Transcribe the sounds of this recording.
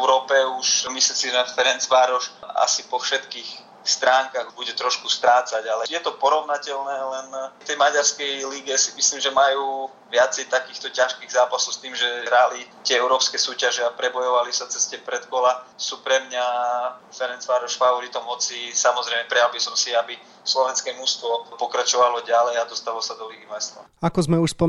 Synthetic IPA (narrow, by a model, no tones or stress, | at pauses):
ɛʊɾɔːpɛuʃmislisiʒɛfɛɾɛnt͡sʋaːɾɔʃa̰sipɔfʃɛt̪kiːx | st̪ɾaːŋkaɣbuɟɛt̪ɾɔʃkust̪ɾaːt͡saɟalɛjɛt̪ɔpɔɾɔʋnacɛʎnɛːlɛnt̪ɛjmaɟaɾskɛjliɡɛsimisliːmʒɛmajuː | ʋɪat͡sɛjt̪akiːxt̪ɔcaʃkiːɣzaːpasɔʊst̪iːmʒɛɦɾalit̪ɪɛɛʊɾɔːpskɛsuːcaʒɛapɾɛbɔjɔʋalisat͡sɛscɛpɾɛt̪kɔlasuːpɾɛmɲafɛɾɛnsfaːɾɔʃfaɔɾit̪ɔmɦɔt͡sisamɔzɾɛjmɛpɾɛjalbisɔmsiabi | slɔʋɛnskɛmust̪ʋɔpɔkɾat͡ʃɔʋalɔɟalɛjad̪ɔst̪alɔsad̪ɔliɡimɛst̪a̰ | akɔzmɛuʃspɔ